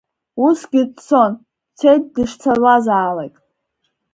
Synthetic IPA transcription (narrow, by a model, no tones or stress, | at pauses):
usɡʲɪdt͡sʰo̞n | t͡sʰejt̚dɨʂt͡sʰarwazaːlajtʼ